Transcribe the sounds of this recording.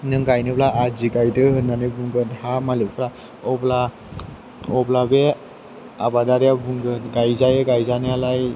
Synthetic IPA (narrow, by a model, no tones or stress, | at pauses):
nɯŋɡajnɯblaʔad͡ʒiɡajdɯhɯnːanɯbuŋɡɯnhamalipʰɾa | ɔbla | ɔblabe | abadaɾijabuŋɡɯnɡajzajeɡajzanɯalaj